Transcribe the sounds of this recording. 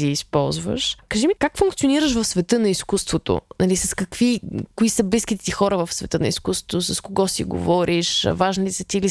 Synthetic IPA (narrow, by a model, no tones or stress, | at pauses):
iːspɔlˠzvə̰ʃkɐʒimikakfuŋkt̪sioniɾəʃvɐfsvɛt̪ɤnɐiskust̪vot̪o̰nɐlisɐskɐkvikʊisəbliskit̪ɛ̥t̪ixɔɾəvɐfsvɛt̪ɤnɐ̰iskust̪ot̪osɐskoɡɔsḭɡo̰vɔɾʔiʃvaʒnit̪isət̪ili